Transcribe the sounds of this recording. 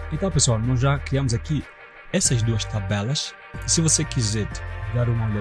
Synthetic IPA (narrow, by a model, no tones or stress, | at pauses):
ẽnt̪ɐ̃w̃pesuanɔzʒakɾiɐmʊzaki | ɛsɐzd̪uɐʃt̪abɛlɐʃ | isivosekizɛɾd̪aɾũmɐʎɔ